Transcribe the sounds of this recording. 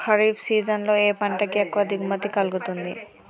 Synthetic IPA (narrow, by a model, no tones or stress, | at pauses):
kʰaɹibsizanlɔejpaɳʈakiɛkːɔad̪ʱikmat̪ikalɡot̪und̪ḭ